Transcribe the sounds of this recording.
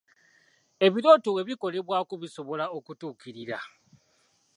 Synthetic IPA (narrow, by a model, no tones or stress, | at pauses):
e̞βiɾo̞towe̞βiko̞le̞βwakuβiso̞βo̞lao̞kutuːkiɾiɾa̰